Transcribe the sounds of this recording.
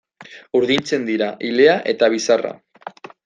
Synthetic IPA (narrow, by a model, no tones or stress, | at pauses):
uɾðint͡se̞nd̪iɾaʔile̞aʔe̞t̪aβ̞isara̰